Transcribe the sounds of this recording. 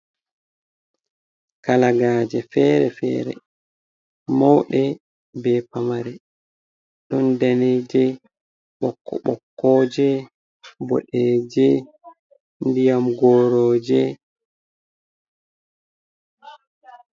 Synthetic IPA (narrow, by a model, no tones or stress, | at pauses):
kalaɡaːd͡ʒɛfɛɾɛfɛ̰ːɾɛ̰ | mawɗɛ | bɛpamaɾɛ | ɗɔndaned͡ʒɛ | ɓɔkːɔ̰ɓɔkːɔd͡ʒɛ | bo̰ɗeːd͡ʒɛ | ndijamɡɔːɾɔːd͡ʒɛ